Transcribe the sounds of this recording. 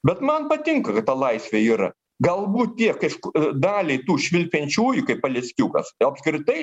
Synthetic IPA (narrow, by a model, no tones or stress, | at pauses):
bʲɛt̪mɐnpɐt̪ʲɪŋkɐkɐt̪t̪ɐlˠɐɪsʲʋʲeːiːɾɐ̰ | ɡɐlˠbuːt̪̚t̪ʲiɛkɐʃkd̪ɑːlʲɛɪt̪uːʃʲʋʲɪlʲpʲɛnʲt͡ʃʲuːjʊkɐɪpɐlʲɛsʲkʲuːkɐ̰sɐpskɾʲɪt̪ɐɪ